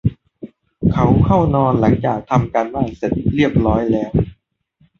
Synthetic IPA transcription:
kʰa˦wkʰa˥˩wnɔː˧nla˩˦ŋt͡ɕaː˨˩k̚t̪ʰa˧mkaː˧nbaː˥˩nse˨˩t̪̚ɾi˥˩əp̚ɾɔː˦˥jlɛː˦˥w

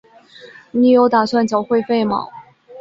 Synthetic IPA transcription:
ni˨˧˩jo˧˥ʊt̪a˨˩swa˥˩nt͡ɕjɑ˨˩ʊxwe˥˧ɪfe˥˩ɪmɑ̰˨˩˦ʊ

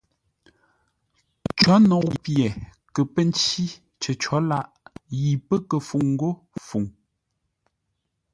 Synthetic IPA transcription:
t͡ʃɔ˨˦nɔ˨i˨pjɛ˨ | kə˨pə˦˨n˦t͡ʃi˦ | t͡ʃə˨t͡ʃɔ˨˦la˦ʔji˨pə˦kə˨fu˨ŋŋ̩˦ɡo˦ | fu˨ŋ

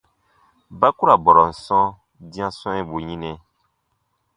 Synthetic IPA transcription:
ba˦ku˦ɾa˨bɔ˨ɾɔ˨n̩˨sɔ̃˦ | dĩ˦ã˦sɔ̃˦ɛ̃˦bu˨ɲĩ˦nɛ̃˨

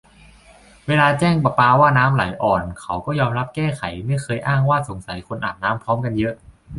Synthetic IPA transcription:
weː˧laː˧t͡ɕɛː˥˩ŋpa˧˩paː˧waː˥˩naː˦˥mla˩˦jʔɔː˨˩nkʰa˨˩˦wkɔː˥˩jɔː˧mɾa˦˥p̚kɛː˥˩kʰa˩˦jma˥˩jkʰɤː˧jʔaː˥˩ŋwaː˥˩so˨˩˦ŋsa˨˩˦jkʰo˧nʔa̰ː˨˩t̪̚naː˦˥mpʰɾɔː˦˥mka˧njɤ˦˥ʔ

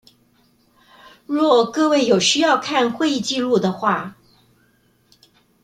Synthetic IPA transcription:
ɻwɔ˥˩kɤ˥˧we˥˩ɪjo˨˩ʊɕy˥jɑ˥˧ʊkʰa˥˧nxwe˥˧ɪi˥˧t͡ɕi˥˧lu˥˩d̪ə˩xwa˥˩

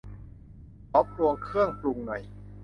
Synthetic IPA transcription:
ʔɔ˦˥p̚ɾu˧əŋkʰɯ˥˩əŋplu˧ŋnɔ˨˩j

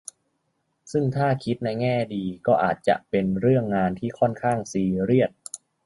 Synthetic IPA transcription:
sɯ˥˩ŋt̪ʰaː˥˩kʰi˦˥t̪̚na˧jŋɛː˥˩diː˧kɔː˥˩ʔa̰ː˨˩t̪̚t͡ɕa̰˨˩ʔpe˧nɾɯ˥˩əŋːaː˧nt̪ʰiː˥˩kʰɔ˥˩nkʰaː˥˩ŋsiː˧ɾi˥˩ət̪̚

